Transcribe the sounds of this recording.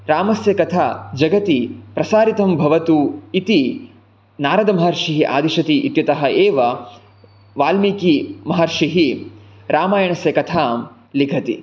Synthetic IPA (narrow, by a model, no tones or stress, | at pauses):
ɾaːmɐsjɐkɐt̪ʰad͡ʒɐɡɐt̪ipɾɐsaːɾit̪ɐmbʱɐʋɐt̪uit̪i | naːɾɐd̪ɐmɐɦɐɾʂiɦiʔa̰ːd̪iʃɐt̪iʔit̪jɐt̪ɐɦɐʔeːʋɐ | ʋaːlmikimɐɦɐɾʂiɦi | ɾaːmaːjɐɳɐsjɐkɐt̪ʰaːm | liɡʰʱɐt̪i